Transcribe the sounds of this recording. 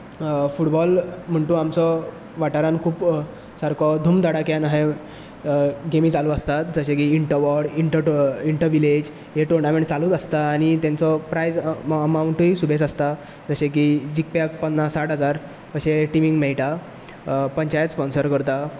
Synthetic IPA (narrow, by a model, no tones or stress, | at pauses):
fuʈbɔlm̤əɳʈ̪ũamt͡sɔ | ʋaʈaɾãnkʰuːp | saɾkʰɔd̪ʱuːmd̪aɽakjanaɦe | ɡemiːt͡saluəst̪at̪d͡zəɕekiːɳʈəʋɔɽiɳʈəiɳʈəɾʋiled͡ʑ | ɦeʈoɾnamẽɳʈt͡saluːt̪əst̪aːɽ̃it̪ẽnt͡sɔpɾajd͡zəmawɳʈuisubʱet͡səst̪a | d͡zəɕẽk̬id͡ʑik̚pak̚pənːasaʈɦəd͡zaɾ | kəɕeʈimiŋɡmɛɭʈa | pəɲt͡ɕajət̪spɔnsəɾkəɾt̪a